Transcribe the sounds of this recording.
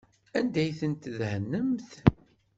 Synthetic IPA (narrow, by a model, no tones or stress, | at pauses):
ænd̪æjθənt̪ðhənːəmθ